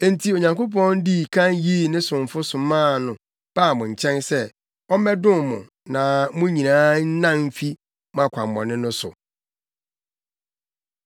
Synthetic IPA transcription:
e˨n˨tʰi˨o˨ɲã˨ŋko˦p̬ʰɔ̃˦ndi˦˨kʰã˦nji˦nɪ̃˦sʊ̃˨ɱ˨fʊ˦sʊ˨mãː˦˨nʊ̃˨ | b̥a˦˨mʊ̃˨ɲ̩˨t͡ɕʰɛ̃˦nsɛ˦ | ɔ˦mɛ˦dʊ̃˦mmʊ̰̃˨ | nã˨mʊ̃˦ɲĩ˨nãː˦n̩˦nã˦m̩˦fi˦ | mã˨kʷʰã̰˨mː˨ɔ̰̃˨nɪ̃˦nʊ̃˦sʊ̰˨

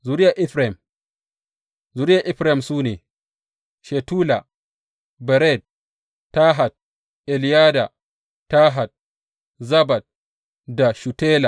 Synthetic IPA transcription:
zu˦ɾɪ˦ja˨ʔɪ˦ɸɾa˨ɪ˨m | zu˨˦ɾɪ˦ja˨ʔɪ˦ɸɾa˦hɪ˨msuː˦neː˨ | ʃe˨tuː˦la˨ | bɛ˨ɾɛ˦˨d̚ | tːa˦ɦa˨d̚ | ʔɛ˨lɪ˨jaː˦da˨ | taː˦ɦa˨d̚ | zɐ˦ba˨d̚ | da˨ʃu˨teː˦la˨

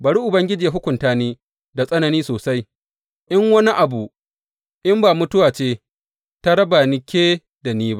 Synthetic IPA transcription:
ba˨ɽiː˦ʔʊ˨bɐ˦ŋɡʲɪ˦d͡ʒiː˨ja˦ɦʊ˦kʷʊ˨ntaː˦neː˦ | da˨sʼɐ˦nɐ˨niː˦soː˨sa˦j | ʔɪ˦ŋwɐ˦ni˦ʔa˨bu˨ | ʔɪ˦mbaː˨mʊ˦tʊ˦waː˨t͡ʃeː˦ | ta˦ɽɐ˦ba˨nɪ˦kʲeː˦ | da˨niː˦ba˦ʔ

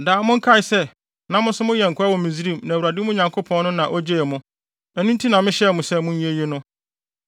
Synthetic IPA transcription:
daː˨˦mʊ̃˦ŋ̩˦kʰa˦ɪ˨sɛ˦ | nã˦mʊ̃˦sʊ˦mʊ̃˦jɛ˨ŋ̩˨kʰʊ˦a˦wɔ˨mĩ˨zi˦ɾĩ˦˨mnã˨wu˨ɾa˨dɪ˦mʊ̃˦ɲã˨ŋkʰo˦pʰɔ̃˦nnʊ̃˦nã˨ʔɔ˦d͡ʑe˦ɛ˨mʊ̃˦ | ɛ˨nũ˦n˦tʰi˦nã˨mɪ̃˦ɕɛ˦˨mʊ̃˨sɛ˦˨mʊ̃˦ɲ˦ĩ˦e˦je˦nʊ̃˦

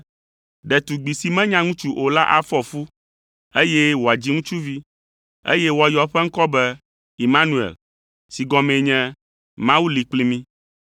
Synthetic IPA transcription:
ɖɛ˨t̪u˨ɡ͡bi˨si˨mɛ̃˦ɲã˦ŋũ˦t͡ʃu˦ʔo˨la˦ʔa̰˨fɔ˦˨fu˦ | e˦jɛ˦wo˨a˨d͡ʑi˦ŋũ˦t͡ʃu˦vi˦ | ḛ˦jɛ˦wo˨a˨jɔ˨ɸɛ˦ŋ̩˦kɔ˦bɛ˦ | i˨mã˦nũ˦ḛ˨l | si˨ɡɔ̃˨mɛ̃˨ɲɛ̃˦ | mã˦wu˦li˨k͡pli˦mĩ˦

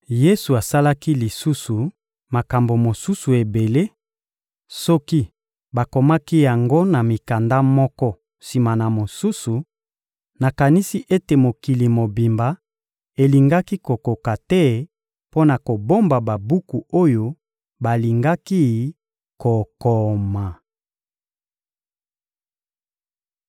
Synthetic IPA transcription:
je˦su˨a˨sa˦la˦ki˦li˨su˦su˨ | ma˨ka˨mbo˨mo˨su˦su˨e˨be˨le˦ | sɔ˦ki˦ | ba˨ko˨ma˦ki˦ja˨ŋɡo˦na˨mi˨ka˨nda˦mɔ˦kɔ˦ | si˨ma˨na˨mo˨su˦su˨ | na˨ka˨ni˦si˦ʔe˦te˨mo˨ki˨li˨mo˨bi˨mba˨ | e˨li˨ŋɡa˦ki˦ko˨ko˨ka˨tɛ˦ | po˦na˨ko˨bo˦mba˨ba˨bu˦ku˨o˦jo˦ | ba˨li˨ŋɡa˦ki˦ | ko˨kɔ˨ma˨

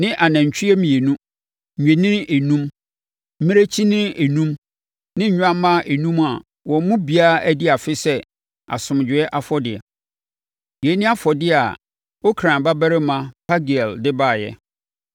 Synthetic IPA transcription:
nɪ̃˦ʔa˨næ̃˨ɲ˨t͡ɕᶣʰi˦ɛ˦mĩ˨e˨nũ˦ | m̩˨ɲᶣæ̃˨nɪ̃˦e˨nũ˦m | m̩˦mɪ̃˦ɾe˦t͡ɕʰi˦nɪ̃˦e˨nũ˦m | nɪ̃˦ɲ̩˦ɲᶣ˦ã˦mːã˦ʔe˨nũ˦ma˨ | wɔ̃˨˦mʊ̃˦bi˨a˦æ˦dɪ˦a˨fɪ˦sɛ˦ | a̰˨sʊ̃˨md͡ʑᶣɪ˨ɛ˦ʔa˦fɔ˦dɪ˨ɛ̰˨ | je˨˦nɪ̃˦a˦fɔ˨dɪ˦a̰˨ | wo˦kʰɾã˨ba˦bæ˦ɾɪ˦mã˦˨pʰa˦ɡi˨ɛ˨ldɪ˦baː˦˨jɛ̰˦

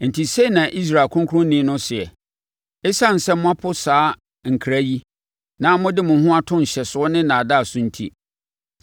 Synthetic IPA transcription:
n̩˨tʰi˨se˦˨nã˨ʔi˦s̬ɾa˨kʰʊ̃˦ŋkʰʊ˦ʊ̃˦n˦nĩ˦nʊ̃˦sɪ˨ɛ˨ | ɪ˦sa˦n̩˨sɛ̃˦m˦ʊ̃˦ã˦pʰʊ˦saː˨˦ | ŋ̩˨kʰɾæ˦ji˦ | nã˦mʊ̃˦dɪ˦mʊ̃˨ɦʊ̃˦a˦tʰʊ̃˦n̩˨ɕɛ˨sʊ˨˦ɔ˦nɪ̃˦nã˨da˦˨sʊ̃˦n̩˦tʰḭ˦

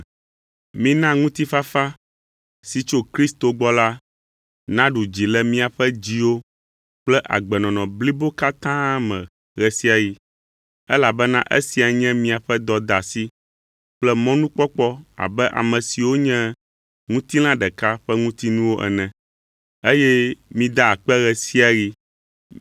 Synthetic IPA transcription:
mĩ˦nã˦ŋũ˦t̪i˦fa˦fa˦ | si˨t͡ʃo˦kɾi˦st̪o˨ɡ͡bɔ˦la˦ | nã˦ɖu˨d͡ʑi˨lɛ˦mĩ˦a˨ɸɛ˦d͡ʑi˦wo˦ | k͡plɛ˦ʔa̰˨ɡ͡bɛ˨nɔ̃˨nɔ̃˨bli˦bo˦ka˦t̪ã˦mɛ̰̃˨ | ɣɛ˨si˦a˨ji˦ | ɛ˦la˨bɛ˦nã˦ʔḛ˦si˨a˨ɲɛ̃˦mĩ˦a˨ɸɛ˦d̪ɔ˨d̪a˨si˦ | k͡plɛ˦mɔ̃˦nũ˦k͡pɔ˦k͡pɔ˦a̰˨bɛ˦ʔa̰˨mɛ̃˨si˨wo˦ɲɛ̃˦ | ŋũ˦t̪i˦lã˦ɖɛ˨ka˦ɸɛ˦ŋũ˦t̪i˦nũ˦wo˦ʔɛ̰˨nɛ̃˨ | e˦jɛ˦mĩ˦d̪a˦a˨k͡pɛ˦ɣɛ˨si˦a˨ji˦

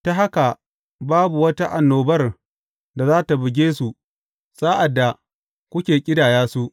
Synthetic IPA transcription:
ta˦ɦa˦ka˨ | baː˦bu˨wɐ˦ta˦ʔa˨nːoː˨bɐ˦r | da˨zaː˦ta˨bɪ˨ɡʲeː˦su˨ | sa˦ʔa˨dːa˨ | kʷʊ˦kʲeː˨kʲʼɪ˦daː˨jaː˦su˦ʔ

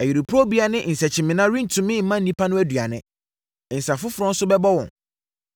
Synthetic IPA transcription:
æ˨ji˨ɾi˨pʰu˦ɔ˦bi˦a˦nɪ̃˦ʔn̩˨sɛ˨t͡ɕʰɪ̃˨mɪ̃˨nã˦ɾĩ˦n̩˨tʰũ˨mɪ̃˦˨m̩˨˦mã˦n̩˨nĩ˦pʰa˦nʊ̃˦æ˦du˨a˨nɪ̃˦˨ | n̩˨sa˨fʊ˦fʊ˨ɾɔ̃˦n̩˦sʊ˦bɛ˦bɔ˦wɔ̰̃˨n

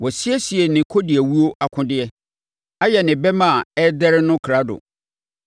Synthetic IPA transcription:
wɔ˨sɪ˦ɛ˦si˨ɛ˨nɪ̃˨kʰo˦dɪ˨æ˨wu˦o˦ʔa˨kʰʊ̃˦dɪ˦ɛ˦ | a˦jɛ˨nɪ̃˨bɛ˦mã˦˨ɛ˦dɛ˦ɾɪ˦nʊ̃˦kʰɾa˦dʊ̰˨

